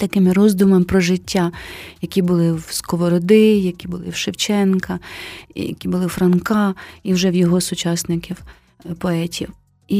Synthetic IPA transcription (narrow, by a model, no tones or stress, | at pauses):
t̪ɐkɪmɪɾɔzd̪ʊmɐmpɾɔʒɪtʲːajɐkʲibʊlˠɪwskɔʋɔɾɔd̪ɪjɐkʲibʊlˠɪ̰wʃɪwt͡ʃɛnkɐḭjɐ̰kʲibʊlˠɪfɾɐnkɑiwʒɛwjɔɦɔsʊt͡ʃɑsnɪkʲɪw | pɔɛtʲiw | i